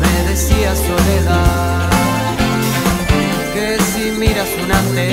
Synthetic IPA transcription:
βeðesiasoɾeða | kesimiɾasunanle

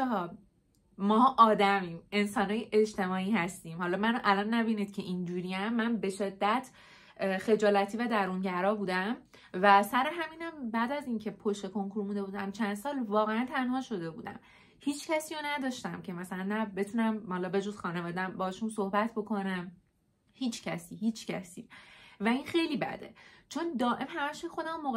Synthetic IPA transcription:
ɦɒː | mɒːʔɒːd̪æmiːme̞nsɒːnhɒːjeʔed͡ʒt̪e̞mɒːiːɦæst̪iːmhɒlɒːmænoʔælɒnːæbiːniːd̪̥̚cʰe̞ʔind͡ʒuːɾijæmːænbe̞ʃe̞d̪ːæt̪ʰ | xe̞d͡ʒɒːlæt̪ʰiːvæd̪æɾuŋɟæɾɒːbuːd̪æm | væsæɾeɦæmiːnæmbæːd̪æziːncʰe̞pʰoʃt̪e̞ko̞ŋkʰuɾmuːd̪e̞buːd̪æmt͡ʃʰænd̪sɒːlvɒːɣeænt̪ʰænhɒːʃo̞d̪e̞bṵːd̪æ̰m | hiːt͡ʃʰcæsiːjonæd̪ɒʃt̪æmcʰe̞mæsælænːæbe̞t̪ʰunæmhɒlɒːbe̞d͡ʒoz̥xɒːnevɒːd̪æmbɒːhʃunso̞hbæt̪ʰbo̞kʰo̞næm | hiːt͡ʃʰcʰæsiːhiːt͡ʃʰcʰæ̰sḭːvæinxe̞jliːbæ̰d̪e̞̰t͡ʃʰo̞nd̪ɒːʔe̞mɦæmæʃmixo̞d̪æmomoɣ

